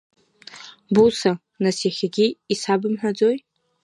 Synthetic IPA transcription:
busa | naseχʲaɡʲiisabɨmħʷad͡zoj

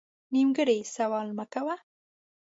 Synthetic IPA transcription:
nimɡəɽesawɑlməkawa

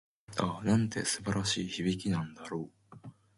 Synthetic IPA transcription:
anãnt̪e̞̰sɨbaɾʔaɕiːçiβʲikʲinãnd̪aɾo̞ː

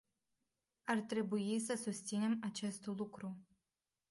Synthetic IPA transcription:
art̪ɾe̞buisəsust̪sine̞mat͡ʃe̞st̪lukɾu

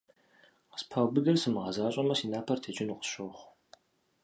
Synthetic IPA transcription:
qə̥spʰawbɨdɐrsɨmɨʁɐzaːɕʼɐmɐsiːnaːpʰɐrtʰeːt͡ʃʼɪnuqʼə̥ʃoχʷ

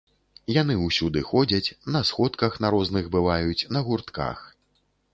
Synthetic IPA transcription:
jan̪ɨwsʲud̪ɨxɔd͡zʲɐt͡sʲnɐsxɔt̪kɐxnaɾɔznɨɣbɨvajut͡sʲnɐɣurt̪ka̰x

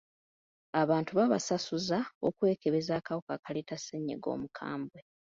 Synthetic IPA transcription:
aβaːntuβaβasasuzao̞kwe̞ːke̞βe̞zaːkawukakaleːtaseɲːḛɡo̞̰ːmukʰa̰ːmbwe

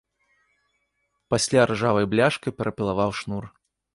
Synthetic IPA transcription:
pasʲlʲarʐavɐjblʲaʂkɐjpʲɛɾʔɐpʲilˠavawʂnur

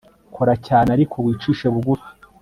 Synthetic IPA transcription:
kʰoɾacaːneaɾikʰo̞βwiːt͡ʃiːʃeβuɡufi̥

